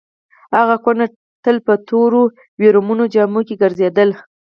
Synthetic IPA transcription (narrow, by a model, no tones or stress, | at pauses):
haɣaxwana | ʈ̪əlpət̪oɾo | weɾumunod͡ʒɑmukeɡəɾzed̪əl